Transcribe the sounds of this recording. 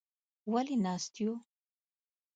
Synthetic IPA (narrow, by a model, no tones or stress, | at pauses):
walinast̪jo